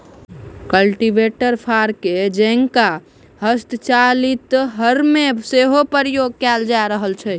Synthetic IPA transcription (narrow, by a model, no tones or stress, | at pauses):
kəlʈiʋeʈəɾpʰaɾked͡ʒə̃ŋka | ɦəst̪ət͡ʃalit̪ɦəɾmeseɦopəɾjoɡ̚kɛld͡ʒaɾəɦəlt͡ʃʰɛ